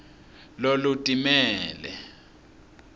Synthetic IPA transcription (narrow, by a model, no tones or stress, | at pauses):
lolutʼimɛːlɛ̰